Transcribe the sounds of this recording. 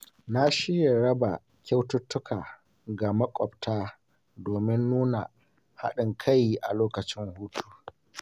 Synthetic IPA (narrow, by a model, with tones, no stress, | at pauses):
na˦ʃɪ˦ja˨ɽɐ˦ba˨ | kʲa˦wtʊ˦tːʊ˦kʰaː˨ | ɡa˨mɐ˦kʷʼɔ˨b̚tʰaː˦ | doː˨mɪ˦nːuː˦na˨ | ha̰˦ɗɪ˨ŋkʰa˦jʔa˨loː˦kɐ˨t͡ʃɪ˦ŋhuː˦tʰu̥ː˨